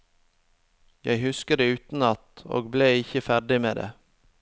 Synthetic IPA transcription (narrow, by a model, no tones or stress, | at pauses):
jæɪhʉskəd̪eːʉːt̪n̩ɑt̪o̰ːɡbleːɪçəfæɖɪmeːd̪ḛː